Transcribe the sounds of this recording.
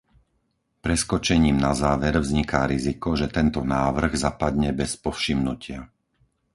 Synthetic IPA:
pɾɛskɔt͡ʃɛɲiːmnazaːʋɛɾvzɲikaɾizikɔʒɛt̪ɛnt̪ɔnaːʋr̩ɣzapad̪ɲɛbɛspɔfʃimnucɪa

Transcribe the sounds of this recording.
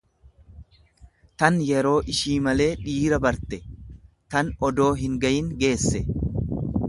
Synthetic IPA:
t̪ɐnjɛɾo̞ːʔɪʃiːmɐle̞ːᶑiːɾɐbɐɾt̪ɛ | t̪ɐnɔd̪o̞ːɦɪŋɡɐjɪŋɡe̞ːsːɛ

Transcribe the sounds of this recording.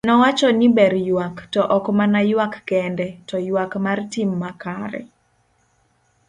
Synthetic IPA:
nɔwat͡ʃɔnibɛrjwaktɔʔɔkmanajwakːɛndɛtɔjwakmartimːakaɾɛ̰

